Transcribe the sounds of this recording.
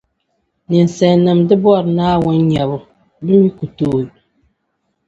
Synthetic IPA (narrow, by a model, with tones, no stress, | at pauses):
nɨ˨n˨sɛ˨nɨ˨mdɨ˦bɔ˦˨ɾnaː˦wɔ˦nɲa˨βʊ˦ | bɨ˦mi˦ku˨toː˦˨˦